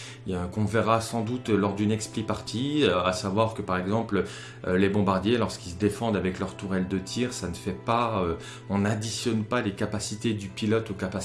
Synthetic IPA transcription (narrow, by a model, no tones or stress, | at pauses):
økɔ̃vɛʁasɑ̃d̪ut̪lɔʁd̪ynɛksplipaʁt̪ʰiøasavwaʁkəpaʁɛɡzɑ̃plø | lebɔ̃baʁd̪jelɔʁskilsəd̪efɑ̃d̪avɛklœʁt̪uʁɛld̪ət̪ʰiʁsanəfɛpaø | ɔ̃nad̪isjɔnpalekapasit̪ed̪ypilɔt̪okapas